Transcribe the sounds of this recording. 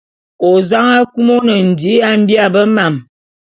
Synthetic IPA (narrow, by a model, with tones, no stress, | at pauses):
o˨za˦ŋa˦ku˦mo˦nə˨n̩˨bi˨˦a˦m̩˦bi˦a˦˨bə˦ma˨m